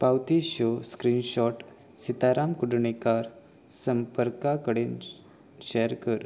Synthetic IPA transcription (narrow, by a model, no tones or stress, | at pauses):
pawt̪iɕoskɾinɕɔʈ | sit̪aɾamkuɖɳikaɾ | səmpəɾkakəɽen | ɕɛɾkəɾ